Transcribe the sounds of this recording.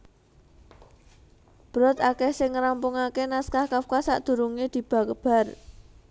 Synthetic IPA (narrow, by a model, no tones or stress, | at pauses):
b̥ɾɔt̪akehsɪŋɾampʊŋakenaskahkafkasa̰ʔd̪̥ṳɾuŋed̪̥i̤b̥ä̤kəb̥a̤r